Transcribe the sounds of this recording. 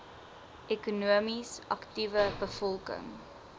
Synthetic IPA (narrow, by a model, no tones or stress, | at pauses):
ʔɛkunuəmisɐ̰ktivəbəfɔlˠkə̰ŋ